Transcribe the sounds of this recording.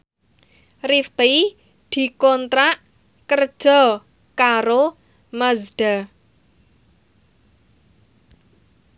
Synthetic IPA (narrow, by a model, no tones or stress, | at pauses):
rift̪i | d̪̥i̤kɔnt̪ɾaʔ | kər̥ʒ̥ɔ̤ | kaɾo | məzɖ̥a